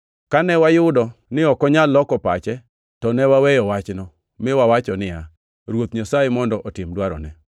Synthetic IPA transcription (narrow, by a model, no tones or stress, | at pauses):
kanɛwajʊdɔnɪɔkɔɲalːɔkɔpat͡ʃɛ | tɔnɛwawɛjɔwat͡ʃnɔ | mɪwawat͡ʃɔnɪja | ɾwot̪ɲasaɪmɔndɔʔɔtɪmdwaɾɔ̰nɛ